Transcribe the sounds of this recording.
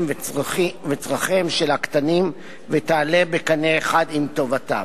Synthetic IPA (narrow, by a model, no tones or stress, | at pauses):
v | vet͡sʁaχemʃelakt̪anim | vet̪aːle̞bekaneːχad̪imt̪o̞vata̰